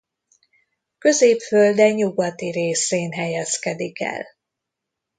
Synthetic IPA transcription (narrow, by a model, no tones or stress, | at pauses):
kø̞zeːpføld̪ɛɲɲuɡɒt̪iɾeːseːnɦɛjɛskɛd̪ikɛ̰l